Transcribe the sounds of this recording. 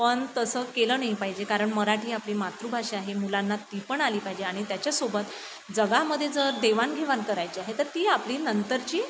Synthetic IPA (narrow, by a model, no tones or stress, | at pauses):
pəɳt̪əsəːkeləːnaɦipaɦid͡ʑekaɾəɳməɾaʈiːapliːmat̪ɾubʱaʂeaɦemulanːat̪ipəɳaliːpaɦid͡ʑeaɽ̃it̪jat͡ɕjasobət̪ | d͡zəɡaməd̪ʱːjed͡zəɾd̪eʋanɡʱeʋankəɾajt͡ɕiaɦet̪əɾt̪iːapliːnənt̪əɾt͡ɕiː